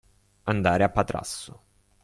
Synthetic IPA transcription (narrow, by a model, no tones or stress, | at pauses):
and̪aːɾeapːat̪ɾa̰sːʊ